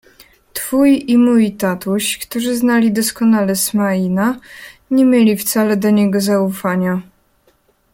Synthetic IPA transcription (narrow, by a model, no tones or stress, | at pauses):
t̪fujimujt̪at̪uɕkt̪uʐɘznalʲid̪ɔskɔnalɛsmainaɲemʲjelʲift̪salɛd̪ɔɲɛɡɔzaufaɲa